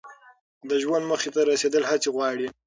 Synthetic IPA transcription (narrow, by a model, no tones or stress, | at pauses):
d̪əʒwand̪məxet̪aɾased̪əlhat͡seɣwɑɽi